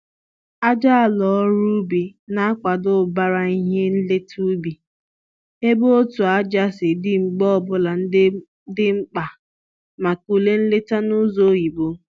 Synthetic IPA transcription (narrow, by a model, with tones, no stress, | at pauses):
a˦d͡ʒa˦a˨lɔ˨ɔ˦ɾu˦bi˨na˦a˦kʷa˨dʊ˦˨ba˦ɾa˨i˦ɦe˦n̩˦le˦tʰu˦bi˨ | e˦bo˦o˦tu˨a˦d͡ʒa˦sɪ˨dɪ˦ŋ͡m̩˨ɡ͡bɔ˦˨bʊ˦la˨n̩˦ | dɪ˦ŋ͡m̩˦k͡pa˨ | ma˨ku˨le˦n̩˦le˦ta˦nʊ˦zo˨˦ji˨bo˦